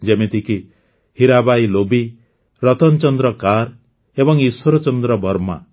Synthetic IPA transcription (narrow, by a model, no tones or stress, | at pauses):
d͡ʒemet̪iki | hiɾabajlobi | ɾɔt̪ɔnt͡ʃɔnd̪ɾɔkaɾ | ebɔŋiswɔɾɔt͡ʃɔnd̪ɾɔbʱɔɾma̰